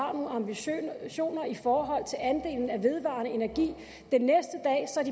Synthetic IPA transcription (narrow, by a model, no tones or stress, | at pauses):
ɑ̰̈ːnoːɑ̈mbiɕo̝̰ːnɐifɒːɦɒ̽l̰t͡sʰe̝lænd̥e̝̰ːln̩æʋe̝ð̞ˠʋɑ̰̈nəe̝næɐɡ̥ḭː | d̥enːesd̥əd̥ɛ̰ːsɒ̽æɐd̥i